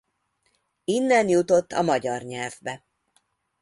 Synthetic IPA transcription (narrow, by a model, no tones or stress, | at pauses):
inːɛnjut̪o̞t̪ʰːɒmɒɟɒrɲɛlvbɛ